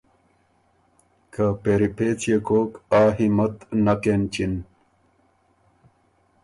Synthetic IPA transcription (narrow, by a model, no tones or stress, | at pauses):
kʰapeɾipet͡sʰjekoːkaːɦimət̪nakent͡ɕin